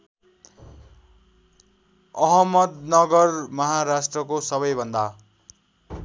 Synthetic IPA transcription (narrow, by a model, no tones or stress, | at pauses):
ʌɦʌmʌd̪nʌɡʌrmʌɦaɾasʈrʌkosʌβʌjbʱʌnd̪a